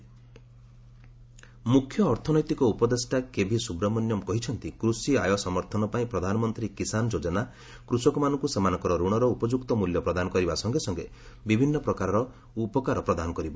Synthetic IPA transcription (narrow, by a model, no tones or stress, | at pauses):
mukʰːjɔːɾt̪ʰɔnɔjt̪ikɔupɔd̪esʈakebʱisubɾɔmɔnjɔmkɔɦit͡ʃʰɔnt̪ikɾusiajɔsɔmɔɾt̪ʰɔnɔpaĩpɾɔd̪ʱanɔmɔnt̪ɾikisand͡ʒod͡ʒɔna | kɾusɔkɔmanɔŋkusemanɔŋkɔɾɔɾuɽ̃ɔɾɔupɔd͡ʒukt̪ɔmuljɔpɾɔd̪anɔkɔɾibasɔŋɡesɔŋɡe | bibʱinːɔpɾɔkaɾɔɾɔ | upɔkaɾɔpɾɔd̪anɔkɔɾibɔ